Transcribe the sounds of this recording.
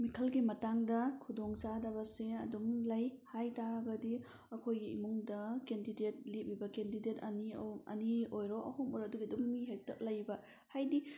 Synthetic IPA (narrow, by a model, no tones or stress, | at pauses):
mikʰɐlɡimɐtaŋdɐkʰudoŋsadɐβɐseɐ̰dumlɐjhajtaɡɐdi | ɐkʰojɡiḭmuŋdɐkendidet̚lip̚ibɐkendidetɐniɐ̰niojɾoʔɐ̰humoɾɐduɡiduŋːiɦek̚tɐʔ̚lɐjbɐ | hajdi